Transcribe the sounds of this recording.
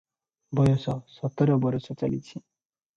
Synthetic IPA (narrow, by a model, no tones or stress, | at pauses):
bɔjɔsɔsɔt̪ːɔɾɔbɔɾɔsɔt͡salḭt͡sʰi